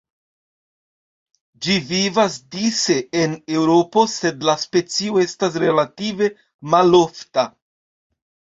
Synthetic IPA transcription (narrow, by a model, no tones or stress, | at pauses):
d͡ʒivivasdise̞ːne̞wɾo̞po̞se̞dlaspe̞t͡sio̞e̞stas̬ɾe̞lative̞ | malo̞fta